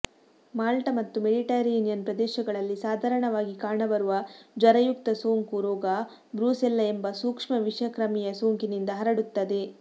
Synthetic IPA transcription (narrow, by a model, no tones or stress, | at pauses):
maːlʈɐmɐt̪ːumeɖiʈaːɾenijɐnpɾɐd̪ɛːʃɐɡɐɭɐlːisaːd̪ʱaːɾɐɳɐʋaːɡikaːɳɐbɐɾuʋɐd͡ʒɐɾɐjuk̚t̪ɐsoːŋkuɾɔːɡɐ | bɾuːselːɐembɐsuːkʂmɐʋiʂjɐkɾɐmɛjɐsoːŋkinind̪ɐɦɐɾɐɽut̪ːɐd̪e̞